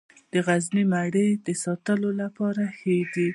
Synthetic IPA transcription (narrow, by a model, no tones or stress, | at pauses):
d̪̥əɣaznimaɽed̪əsɑt̪əlolapɑɾahed̪i